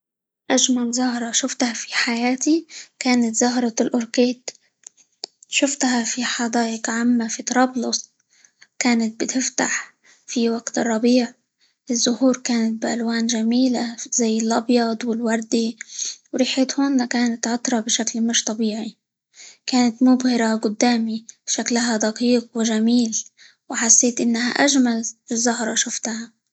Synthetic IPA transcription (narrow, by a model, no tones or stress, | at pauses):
ʔaʒmalzʊɦɾˤɑʃʊft̪hafi̥ħajaːt̪ikaːnat̪zʊɦɾˤɑlʔʊɾkeːd̪ | ʃʊft̪hafiħɑd̪ˤaːʔɪqʕamːafit̪ɑɾˤɑːblʊsˤ | kaːnat̪̚bɪt̪ɪft̪aħ | fiwaɡt̪ɨrˤːɑbiːʕ | ʔɪzːʊhuːɾkaːnat̪̚bɪʔalwaːnʒamiːlazajːɪlʔɑbjɑd̪ˤwɪlwɑɾˤd̪iwɾiːħeːt̪hoːnakaːnat̪ʕʊt̪ɾˤɑbɪʃaklmɪʃt̪ˤɑbiːʕi | kaːnat̪mʊbhɪɾaɡʊd̪ːaːmib̥ʃaklaɦad̪aqiːqwɪʒamiːl | wɪħasːeːt̪ʔɪnːaha̰ʔaʒmalɪzːʊɦɾˤɑʃʊft̪ha